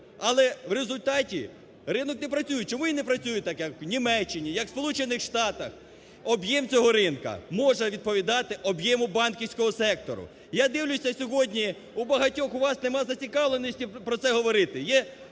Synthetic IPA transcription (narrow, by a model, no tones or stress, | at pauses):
ɐlˠɛʋɾezʊlʲt̪ɑtʲi | ɾɪnɔknepɾɐt͡sʲujʊt͡ʃɔmujinepɾɐt͡sʲujʊt̪ɑkjɐknʲimɛt͡ʃːɪnʲijɐkwspɔlˠut͡ʃenɪxʂt̪ɑt̪ɐx | ɔbjɛmt͡sʲɔɦɔɾɪnkɐ̰mɔʒɐʋʲid̪̚pɔʋʲid̪ɑt̪ɪʔɔbjɛmʊbɑnkʲiwsʲkɔɦɔsɛk̚t̪ɔɾʊ̰ | jad̪ɪwlʲʊsʲɐsʲɔɦɔdʲnʲi | ubɐɦɐtʲɔxʊʋɑsnemɑzɐt͡sʲikɑʋlˠenɔsʲtʲipɾɔt̪sɛɦɔʋɔɾɪt̪ɪjɛ